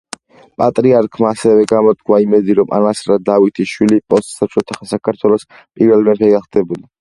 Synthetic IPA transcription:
pʼat̪ʼɾiaɾkʰmaːsɛvɛɡamɔt̪̚kʰwaimɛd̪iɾɔmʔa̰nasɾad̪avit̪ʰiʃwilipʼɔst̪sat͡ʃʰɔt̪ʰaχnsakʰaɾt̪ʰwɛlˠɔs | pʼiɾvɛlˠmɛɾpʰɛɡaχd̪ɛbuli

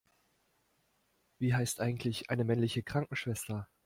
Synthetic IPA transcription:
v̥iːɦaɪstʔaɪɡŋ̩tʰlɪçʔaɪnəmɛnlɪçəkʁ̥aŋkŋ̩ʃv̥ɛstɐ

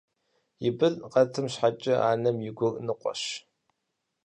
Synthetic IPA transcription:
jɪbɨɮqɐtʰɨmɕħat͡ʃʼɪaːnɐmjɪɡʷʊrʼnɨqʷʼɔ̰ɕ

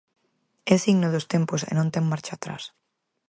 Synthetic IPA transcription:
ɛsiɣnoðʊst̪emposḛnõnt̪eŋmaɾt͡ʃaːt̪ɾa̰s

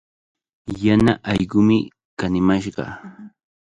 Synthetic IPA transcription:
janaʔɑjɢʊmɪ | kanɪmaʃɢɑ̰

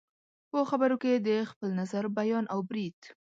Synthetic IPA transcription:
pəxabaɾoked̪əxpəlnazaɾbajɑnawbɾid̪̥

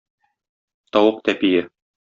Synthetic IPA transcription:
t̪ɒwɤq̚t̪æpijɘ

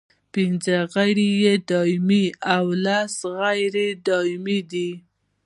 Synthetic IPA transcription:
pɪnzəɣajɾijed̪ɑɪmiawlasɣajɾed̪ɑmid̪i

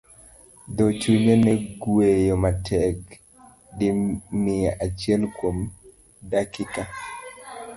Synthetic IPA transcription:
d̪ot͡ʃuɲenɛɡwejomatʰɛk | dɪmɪaʔat͡ʃɪɛlkwom | dakɪka

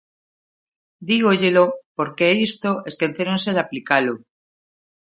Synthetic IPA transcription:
d̪iɣ̞oʎelopoɾkeist̪oeskeθeɾonseðaplikalo

